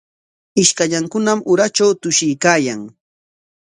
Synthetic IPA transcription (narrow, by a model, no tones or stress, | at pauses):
ɪʃkaʎaŋkʊnamʊɾat͡ʃawt̪ʊʃɪjkaːjaŋ